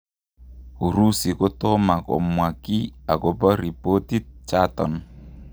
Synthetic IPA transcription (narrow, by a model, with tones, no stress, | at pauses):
u˨ɾu˦si˨ko˦tɔ˦ma˨kɔ̰˨mwa˨ki˦a˨kɔ˨bɔ˦ɾi˨po˦ti˦t͡ʃa˦tɔ̰˨n